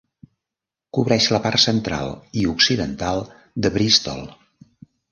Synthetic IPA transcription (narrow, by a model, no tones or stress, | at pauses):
kuβɾɛʃləparsənt̪ɾa̰lˠiuksiðənt̪alˠ | d̪əβɾist̪ɔ̰lˠ